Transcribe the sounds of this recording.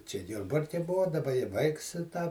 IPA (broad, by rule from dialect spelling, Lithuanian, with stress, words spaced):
t͡ʃʲɛ ˈjʊrbɐrʲkʲɛ ˈbʊɐ dɐˈbɐ ɪ ˈʋɐɪks ɪ tɑː